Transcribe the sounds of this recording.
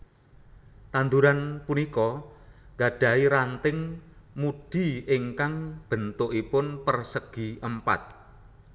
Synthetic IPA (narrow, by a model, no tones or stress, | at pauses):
t̪and̪uɾanpunikɔŋɡaɖ̥a̤iɾant̪ɪŋmuɖ̪̥i̤ɪŋkaŋb̥ə̤nt̪ʊʔipʊnpərsəɡ̥i̤ʔəmpa̰t̪̚